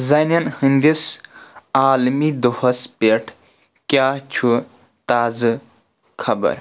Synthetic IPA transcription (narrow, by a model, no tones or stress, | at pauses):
zɐnɐnhɨnd̪is | aːlmid̪uhɐspeʈʰ | kjat͡ʃʰu | t̪aːzɨ | kʰɐbɐ̰ɾ